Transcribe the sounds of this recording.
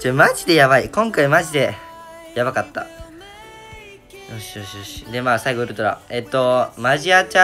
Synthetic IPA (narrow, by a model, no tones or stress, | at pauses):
t͡ɕomaʑid̪e̞jaβaikõ̞ŋkaimaʑid̪e̞ | jaβakat̪ːa̰ | joɕioɕoɕi̥d̪e̞maːsaiɡo̞ɯɾɯ̟t̪oɾa̰e̞t̪ːo̞maʑiat͡ɕa